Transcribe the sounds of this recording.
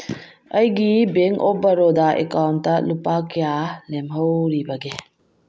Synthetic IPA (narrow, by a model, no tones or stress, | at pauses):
ɐjɡibeŋkobɐɾodɐʔḛkawntːɐlupakijalemɦɐwɾibɐɡe